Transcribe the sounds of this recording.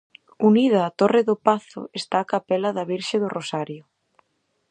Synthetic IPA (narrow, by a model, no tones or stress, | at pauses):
unið̞ɐːt̪orɪðʊpaθʊ̰est̪aːkapɛlɐðɐβiɾʃɪðʊrosaɾjʊ